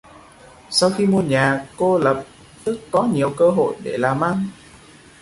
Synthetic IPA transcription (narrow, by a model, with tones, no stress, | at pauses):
sa˧wxi˧mu˧əɲaː˨˩ko˧lə˨˩p̚ | t̪ɨ˦˥kːɔ˨˦ɲi˨˩əwkəː˧ɦo̰˧˨jɗe˧˩laː˨˩mʔa˧ŋ